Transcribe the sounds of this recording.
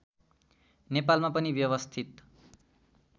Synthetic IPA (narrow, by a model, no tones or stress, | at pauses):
nepalmapʌnibjʌβʌst̪ʰit̪